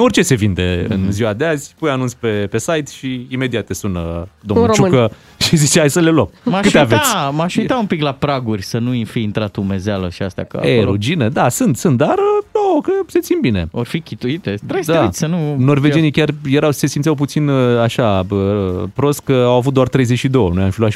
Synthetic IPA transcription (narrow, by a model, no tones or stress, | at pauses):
o̞rt͡ʃe̞se̞vind̪e̞̰ɨ̰nziwad̪eazʲpujanunspepe̞sajt̪ʃiime̞d̪iat̪ːesunəd̪oiɾot͡ʃukə | ʃizit͡ʃeajsəle̞labmakɨt̪eavet̪sʲmaʃuit̪aumpiklapɾaɡurʲsənufiint̪ɾat̪umezealəʃiast̪a̰kə̰eɾud͡ʒinəd̪asɨnt̪sɨnt̪̚d̪arənokəse̞t̪simbineorfikʲit̪uit̪et̪ɾejsd̪aisʲsənuno̞rved͡ʒenijkʲarjeɾawse̞simt̪siawp̬ut̪sinaʃaəpɾo̞st̪̚kəawavut̪̚d̪oart̪ɾe̞jze̞t͡ʃʃid̪o̞wənuojamfilat̪